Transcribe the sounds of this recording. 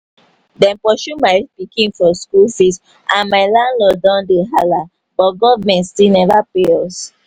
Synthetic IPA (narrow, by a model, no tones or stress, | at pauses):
dɛ̃npɔʃumaɪpikĩnfɔskulsit | ʔãnmaɪlãnlɔdãndeɦala | bɔt̚ɡɔvmɛ̃ntstinɛvapeɔs